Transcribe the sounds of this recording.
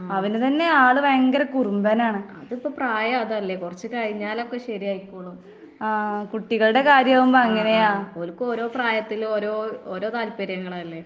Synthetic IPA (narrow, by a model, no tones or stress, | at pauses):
ɐʋinɨt̪ɐnːe̞aːɭɨʋɐjɐŋɡɐɾɐkurumbɐːnaːɳɨɐðipːoːpraːjɐɐðɐlːe̞kurɐt͡ɕːɨkɐɻiɲːaːlokːe̞ɕɐɾijaːjikʲːuːɭɐ | kuʈːiɣɐɭuɽe̞kaːɾjɐʋumboɐŋːɐne̞jaːoːlukːɨo̞ːɾo̞ːpraːjɐt̪ːilo̞ːɾo̞ːoːɾo̞ːt̪aːlpɐɾjɐŋːɐɭaːlːe̞